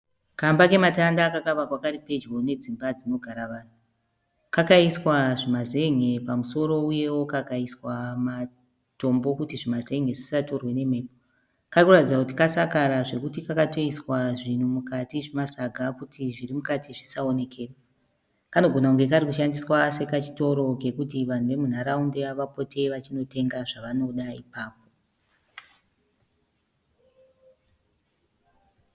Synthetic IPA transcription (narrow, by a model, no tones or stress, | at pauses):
kambake̞matandakakaʋakwakaripe̞d͡ʒɡo̞ne̞d͡zimbad͡zino̞ɡʱaɾaʋaːn̤u | kakaiswaʐimaze̞ŋe̞pamuso̞ɾo̞uje̞wo̞kakaiswama | to̞mbo̞kutiʐimaze̞ŋeʐisato̞rwe̞ne̞me̞ːpo | kakuratid͡zakutikasakaɾaʐe̞kutikakato̞iswaʐin̤umukatiʐimasaɡʱakutʰiʐirimukatʰiʐisao̞ne̞kʰe̞ːra | kano̞ɡʱo̞nakuŋɡe̞kaɾikuʃandiswase̞kat͡ʃi̥to̞ɾo̞ke̞kutiʋan̤uʋe̞mun̤aɾaundeaʋapo̞tʰe̞ʋat͡ʃino̞te̞ŋɡaʐaʋano̞ɗaipaːp̚o̞